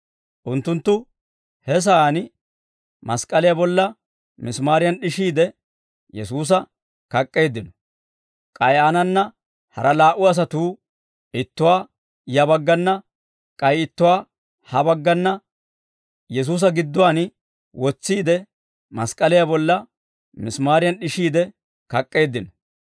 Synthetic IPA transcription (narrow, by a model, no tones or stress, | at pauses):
ʔʊnt̪ːʊnt̪ːʊ | hɛs̬ɐaːn | mɐskʼɐlɪjabɔlːɐ | mɪsmaːɾɪjɐnɗɪʃiːd̪ɛ | jɛsuːs̬ɐ | kɐkʼːe̞ːd̪ɪnɔ | kʼɐjʔanɐnːɐ | hɐ̰ɾɐlaːʔʊɐs̬ɐt̪uː | ɪt̪ːʊwaː | jɐbɐɡːɐnːɐ | kʼɐjɪt̪ːʊwaː | hɐbɐɡːɐnːɐ | jɛs̬uːs̬ɐɡɪd̪ːʊwaːn | wɔt͡sːiːd̪ɛ | mɐskʼɐlɪjabɔlːɐ | mɪsmaːɾɪjɐnɗɪʃiːd̪ɛ | kɐkʼːe̞ːd̪ːɪnɔ